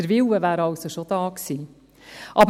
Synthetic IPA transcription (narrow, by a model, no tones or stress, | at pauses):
əɾvɪwəvæːɾɑlsoʃod̥̪ɑːksiː | ʔɑb